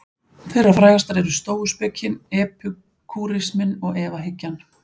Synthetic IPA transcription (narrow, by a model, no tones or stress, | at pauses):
fɪɾafɾaːjɣast̪aɾɛɾʏst̪oːwʏspɛcːɪnɛːpʰʏ | kʰuɾɪsmɪnɔɣɛːvaɦɪcːan